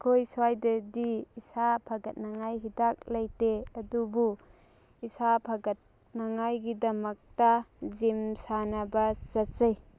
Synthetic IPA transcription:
kʰojswajdadiːsapʰaɡɐt̚naŋajɦidak̚lajteɐdubu | isapʰaɡɐt̚ | naŋajɡidɐmɐk̚tazimsanabazɐtzaj

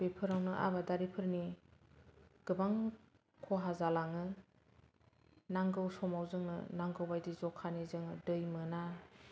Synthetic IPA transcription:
b̥epʰɯɾawnɯʔa̰badaɾipʰɯɾni | ɡ̥ɯbaŋ | kʰɔɦazalaŋɯ | naŋɡɯwsɔmawzɯŋnɯ̰naŋɡɯwbajdizɔkʰːanizɯŋdɯjmɯna

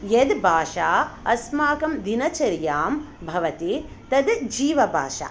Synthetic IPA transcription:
jed̪bʱaːʃaːɐsmaːkɐmd̪inɐt͡ʃɐɾjaːm | bʱɐʋɐt̪i | t̪ɐd̪d͡ʒiːʋɐbʱa̰ːʃa̰ː

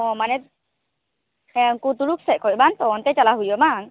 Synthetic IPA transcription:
ɔmanɛt̪ | ɛŋkut̪uɾuksɛʔkʰɔjbant̪ɔnt̪ɛt͡ʃalaɦujɔman

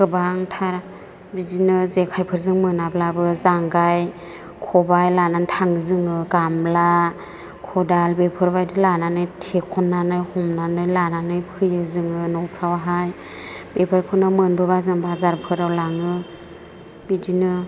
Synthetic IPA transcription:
kɯbaŋtʰaɾa | bidinɯzekʰajpʰɯɾzɯŋmɯnablabɯzaŋɡaj | kʰɔbajlanantʰaŋzɯŋɯɡambla | kʰɔdalbepʰɯɾbajdilananɯjtʰekʰɔnːanɯjhɔmnanɯjlananɯjpʰɯjɯzɯŋɯnɔwpʰɾawaɦaj | bepʰɯɾpʰɯnɯmɯnbɯbazɯŋbazaɾpʰɯɾawlaŋɯ | bidinɯ

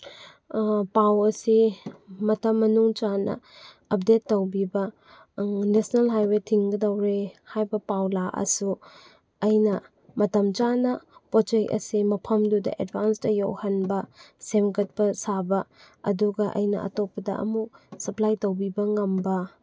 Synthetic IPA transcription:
pawɐsimɐtɐmːɐnuŋt͡ʃanɐ̰ | ɐp̚detːɐwbibɐ | nesnalɦajwetʰiŋɡɐdɐwɾehajbɐpawlaʔɐ̰su | ɐjnɐ | mɐtɐmt͡ʃanɐpɾot͡ʃekɐ̰simɐpʰɐmdudɐ̰ʔedbanstɐjo̰whɐnbɐsemkɐt̚pɐsabɐ | ɐ̰duɡɐʔɐ̰jnɐ̰ʔɐ̰topːɐdɐ̰ʔɐ̰muksɐplajtɐwbibɐŋɐmbɐ

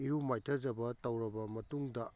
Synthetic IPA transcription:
iɾumajtʰɐd͡ʒɐbɐtɐwɾɐbɐmɐtuŋdɐ

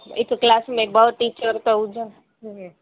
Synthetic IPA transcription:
ekklasmẽbəʈit͡ʃəɾt̪əũd͡ʒə

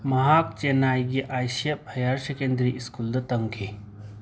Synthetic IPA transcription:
mɐɦaːk̚t͡ʃenaːjɡeʔaːʃjɐbʱɐjaːɾʃɐkẽːnd̪ɾiʔɪskuld̪ɐt̪ɐŋkʰe

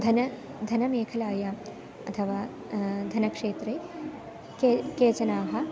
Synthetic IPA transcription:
d̪ʱɐnɐ | d̪ʱɐnɐmeːkʰɐlaːjaːm | ɐt̪ʰɐʋaː | d̪ʱɐnɐkʂeːt̪ɾeː | kekeːt͡ʃɐnaːɦɐ̆

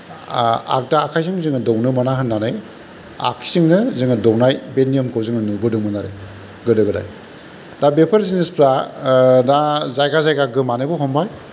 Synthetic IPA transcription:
a̰k̚daːkʰajsɯŋzɯŋɯdɔwnɯmanaɦɯnːanɯj | a̰kʰi̥sɯŋnɯzɯŋɯdɔwnajbenijɔmkʰɯwzɯŋɯnubɯdɯŋmɯnaɾḛ | ɡɯdɯɡɯda̰j | dabepʰaɾsinispɾa | dazajɡazajɡaɡɯmanɯbɯɦɔmbaj

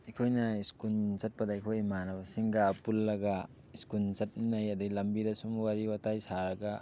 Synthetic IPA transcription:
ikʰojnɐiskult͡ʃɐt̚pɐdaikʰojmanɐbɐsiŋɡaːpulːɐɡa | iskunt͡ʃɐt̚najɐd̪ɐɡilɐmbidɐsumwaɾiwatajsaɾɐɡa

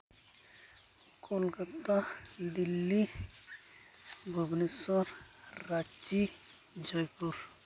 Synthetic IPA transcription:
kʰolkət̪ad̪ilːi | ɡʱobnisɔɾːat͡ʃid͡ʒɔjpuɾ

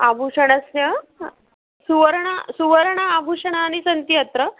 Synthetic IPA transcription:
abʱuʂɐɳ̃ɐsjɐ | suʋəɾɳasuʋəɾɳɐabʱuʂɐɳaːɽisənt̪jɐt̪ɾə

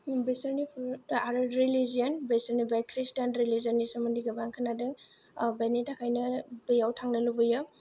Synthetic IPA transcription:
besɐɾnipʰaɾɐɾilizijɔnbesəɾnibajkʰɾistanɾilizɐnːisɐmɐndiɡɐbaŋkʰɯnadɯŋ | banitʰakʰajnɐbijawtʰaŋnɐlubɯjɯ

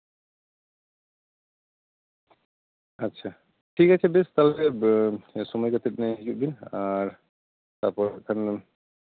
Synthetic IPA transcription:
atːɕʰa | ʈʰikat͡ɕʰebest̪ale | sɔmɔjkat̪ʰeʈnɛɦid͡ʑuʔ̚b̪inaɾ | t̪aɾpɔɾkʰan

